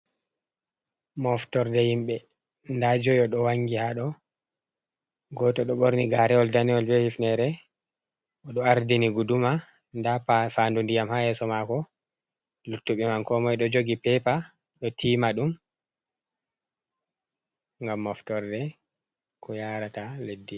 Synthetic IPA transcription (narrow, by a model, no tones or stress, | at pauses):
mɔftɔɾdɛhimɓɛ | ndad͡ʒɔjɔɗɔwaŋɡihaɗɔ | ɡɔtɔɗɔɓoɾniɡaɾɛɔldaniɔlbɛhifnɛɾɛ | ʔɔɗɔaɾdiniɡuduma | ndafandundijamhajɛsɔmakɔ | lutːuɓɛmankɔmɔjɗɔd͡ʒoɡipɛpa | ɗɔtʰimaɗum | ŋɡamːɔftɔɾdɛ | kʰɔjaɾataledːi